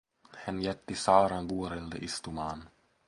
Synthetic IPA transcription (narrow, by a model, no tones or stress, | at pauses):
hɛnjɛt̪ːɪsɑːɾanbuːɾɛld̪ə̰ʔɪst̪ʊman